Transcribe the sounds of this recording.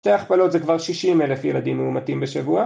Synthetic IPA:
ʃteaχpalo̞t̪zekvaʁʃiʃimelefjelad̪imːeumatimbeʃavua

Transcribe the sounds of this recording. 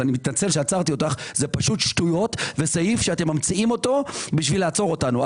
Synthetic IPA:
animit̪nat͡se̞lʃeat͡saʁt̪io̞t̪aχzepaʃutʃtujo̞tve̞sajifʃeatemːamt͡siimo̞to̞biʃvileaːt͡so̞ʁo̞tanua

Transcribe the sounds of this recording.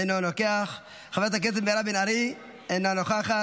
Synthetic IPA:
enonokeaχ | χavt̪ak̬et̬emeɾabinaɾi | enonoχaχa

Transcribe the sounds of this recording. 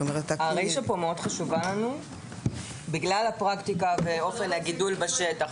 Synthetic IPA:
omeʁetaaʁejʃapo̞meo̞dχaʃuvalanu | biɡlalhapʁakt̪ikaveo̞fe̞naɡidulbeʃetaχ

